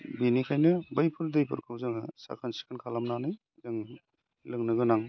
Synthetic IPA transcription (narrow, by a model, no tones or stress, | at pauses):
binikʰajnɯbajpʰɯɾdɯjpʰɯ̰ɾkʰɯwzɯŋsa̰kʰansi̥kʰɯnkʰalamnanɯj | zɯŋ | lɯŋnɯɡɯnaŋ